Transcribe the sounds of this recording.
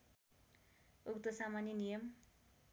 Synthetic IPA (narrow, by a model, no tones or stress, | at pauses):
ukt̪ʌsamanjinijʌm